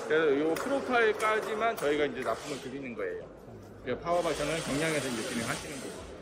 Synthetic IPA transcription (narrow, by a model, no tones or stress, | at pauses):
ɾejopʰɯɾotʰaek͈ad͡ʑimant͡ɕʌiɡaind͡ʑe̞nap͈ʰumɯɭtɯɾinɯnɡʌe̞jo | epʰaʌbasʰʌnɯɭkjʌŋɲaŋesʰʌmjuk͈iniɦaɕʰinɯnɡʌ